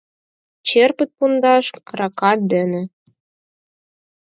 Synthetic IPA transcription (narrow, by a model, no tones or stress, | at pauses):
t͡ɕerpɘ̆t̪̚pund̪ɑʃrɑkɑt̪̚d̪ɘ̆nĕ